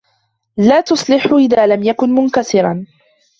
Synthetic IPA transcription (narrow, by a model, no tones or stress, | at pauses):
laːt̪ʊsˤlɪħʊʔɪðaːlamjakʊnmʊnkasɪɾˤɑ